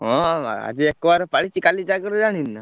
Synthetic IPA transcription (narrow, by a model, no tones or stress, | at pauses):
ɦɔ̃a̰d͡ʒiekʋaɾpaɭit͡ɕikalid͡ʒaɡəɾud͡ʒaɽ̃inːa